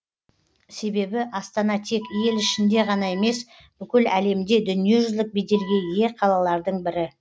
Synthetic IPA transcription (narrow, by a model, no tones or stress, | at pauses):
se̞be̞bɪʔɑst̪ɑnɑt̪ʰe̞kʲije̞lɪʃɪnd̪e̞ʁɑnɑe̞me̞s | b̥ʏkʲɪlæle̞md̪e̞d̪ʏnije̞ʒʏzlɪk̚bid̪e̞lɡʲe̞je̞qʰɑlˠɑlˠɑɾd̪əɴbɪɾɪ